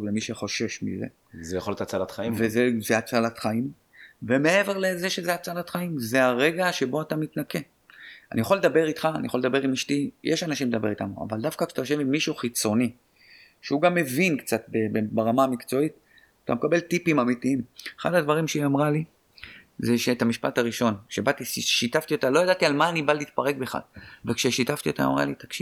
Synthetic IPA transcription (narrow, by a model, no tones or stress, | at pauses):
ovlemiʃeχo̞ʃe̞ʃmḭzḛ | zejaχolt̪at͡salat̪χaivezezeat͡salat̪χaim | veme̞e̞ve̞ʁlezeʃezeat͡salat̪χaimzeaʁe̞ɡaʃe̞bo̞atamitnake̞ | a̰nijaχoled̪abe̞ʁit̪χaːnijaχoled̪abe̞ʁimiʃtijeʃanaʃimled̪abe̞it̪amua̰vald̪afkakʃatajoʃ̬evimːiʃuχit͡so̞ni | ʃeuɡamːe̞vinkt͡sat̪̚bebebaʁamamikt͡so̞it̪ | t̪a̰mekabe̞ltipimamitiimeχa̰dad̪vaʁimʃeiamʁali | zeʃe̞tamiʃpat̪aʁiʃo̞nkʃebat̪iiʃitaft̪io̞t̪alo̞jadat̪ialmaːnibaliːt̪̚paʁe̞k̚beχa̰dvekʃeʃitaftio̞t̪a̰a̰mʁa̰lit̪akʃiv